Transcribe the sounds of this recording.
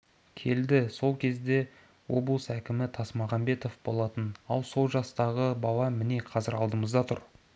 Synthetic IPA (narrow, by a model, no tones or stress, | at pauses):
kʲʰe̞ld̪ɪso̞lˠkʲʰe̞zd̪e̞ | wo̞blˠəsækʲɪmɪt̪ʰɑsmɑʁɑmbe̞t̪o̞fbo̞̰lˠɑt̪ənɑ̰lˠso̞lˠʒɑst̪ɑʁəbɑlˠɑmɪne̞qʰɑzɪɾɑlˠd̪əməzd̪ɑt̪ʰʊ̰ɾ